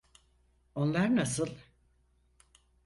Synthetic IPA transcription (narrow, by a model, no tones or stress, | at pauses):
o̞nlˠaɾnasɯlˠ